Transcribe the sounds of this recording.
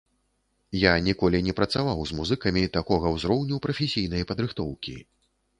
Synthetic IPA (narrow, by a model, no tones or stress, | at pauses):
janʲikɔlʲinʲɛpɾɐt̪savawzmuzɨkɐmʲit̪akɔɣɐwzɾɔwnʲupɾɐfʲɛsʲijn̪ɐjɐpɐd̪ɾɨxt̪ɔwkʲḭ